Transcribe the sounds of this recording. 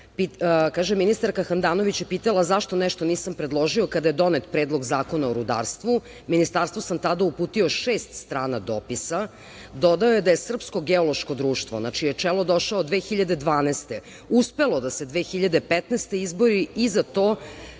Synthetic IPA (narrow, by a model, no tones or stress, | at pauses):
pikaːʒemːinist̪aɾkaxand̪aːno̞ʋit͡ɕjepiːt̪alˠazaʃt̪o̞nɛʃt̪oniːsampɾed̪lˠo̞ʒio̞kad̪aje̞d̪o̞net̪pɾeːd̪lˠo̞ɡzaːko̞naoɾud̪a̰ːɾst̪ʋu | minist̪aɾst̪vosamt̪ad̪aupuːt̪io̞ʃeːst̪st̪ɾaːnad̪o̰pisa | d̪o̞d̪aojed̪ajesr̩psko̞ɡeolˠo̞ʃko̞d̪ɾuːʃt̪ʋo̞̰nat͡ʃijet͡ʂelod̪o̞ʃaod̪ʋexiʎad̪e̞d̪ʋaːnɛst̪e | uspelˠo̞d̪ase̞d̪ʋexiʎad̪e̞pɛt̪nest̪eizbo̞ɾiizat̪oː